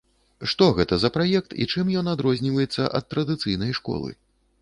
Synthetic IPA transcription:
ʂt̪ɔɣɛt̪ɐzɐpɾajɛk̚t̪ḭt͡ʂɨmjɔnad̪ɾɔzʲnʲivɐjɛt̪sːɐʔɐ̰t̪ːɾɐd̪ɨt̪sɨjnɐjʂkɔ̰lˠɨ̰

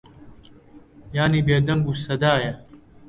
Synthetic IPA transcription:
jaːnibeːd̪ɐmbusɐd̪aːjɐ

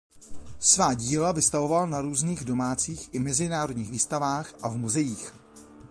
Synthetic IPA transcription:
svaːɟiːlavɪst̪avo̞valnaɾuːzniːɣdo̞maːt͡siːxʔɪmɛzɪnaːɾodɲiːɣviːst̪avaːxʔavmuzɛjiːx

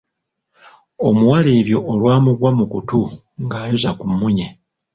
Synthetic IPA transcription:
o̞muwaleːβjo̞ʔːlwaːmuɡwamukutu | ŋɡaːjuzakumːuɲe

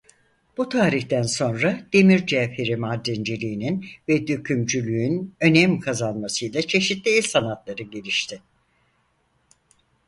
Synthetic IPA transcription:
b̥ut̪ʰaːɾiçt̪ænso̞nɾad̪̥e̞miɾd͡ʒɛfheɾimad̪ɾind͡ʒelʲiːninvɛd̪øcʰymd͡ʒylʲyynø̞nɛmkʰazanmasɯjlˠat͡ʃʰe̞ʃit̪lʲiilʲsanat̪lˠaɾɯɟelʲiʃt̪ʰɪ

